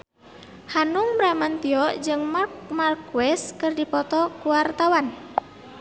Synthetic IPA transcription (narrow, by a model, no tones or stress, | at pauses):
hanuŋbɾamant̪iɔʔd͡ʒɨŋmmarkuwɛskɨrdipɔt̪ɔkuwart̪awan